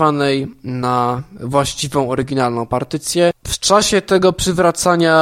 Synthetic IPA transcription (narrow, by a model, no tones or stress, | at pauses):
vanɛjnavwaɕt͡ɕivɔ̃w̃ɔɾɘɡʲinalnɔ̃w̃paɾt̪ɘt̪sʲjɛft͡ʂaɕɛt̪ɛɡɔpʂɘvɾat̪saɲa